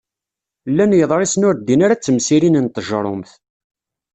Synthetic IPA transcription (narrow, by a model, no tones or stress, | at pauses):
lːænjəðˤɾˤisnʊɾd̪ːinaɾat͡sːəmsiɾinənt̪əʒɾˤo̰mθ